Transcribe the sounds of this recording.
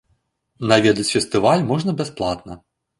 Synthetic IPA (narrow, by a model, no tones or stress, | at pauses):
navʲɛd̪ɐt͡sʲfʲɛst̪ɨvalʲmɔʐnɐbʲɛsplˠat̪nɐ